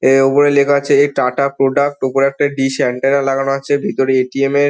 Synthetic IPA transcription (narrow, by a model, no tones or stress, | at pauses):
eopoɾelekʰat͡ɕʰeeʈaʈapɾoɖak̚ʈopoɾɛk̚ʈaɖisɛɳʈaɾɾalaɡanoɦatːɕʰebʱit̪oɾeeʈiemeɾ